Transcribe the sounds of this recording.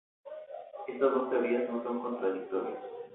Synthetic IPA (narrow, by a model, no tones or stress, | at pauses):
est̪azðost̪eβiasnosoŋko̞nt̪ɾaðik̚t̪oɾjas